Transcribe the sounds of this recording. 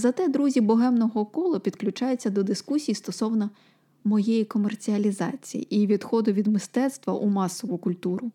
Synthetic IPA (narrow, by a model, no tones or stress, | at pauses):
zɐt̪ɛd̪ɾuzʲibɔɦɛmnɔɦɔkɔlˠɔpʲid̪klʲʊt͡ʃɑjet͡sʲːɐd̪ɔd̪ɪskusʲijst̪ɔsɔwnɐ | mɔjɛjikɔmert͡sʲiɐlʲizɑ̰t͡sʲḭjḭʔiʋʲid̪xɔd̪ʊʋʲid̪mɪst̪ɛt̪st̪ʋɐʔumɑsɔʋʊkʊlʲt̪uɾʊ